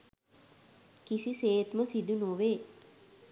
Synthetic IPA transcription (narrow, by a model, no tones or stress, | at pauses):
kisiseːt̪məsid̪unoʋe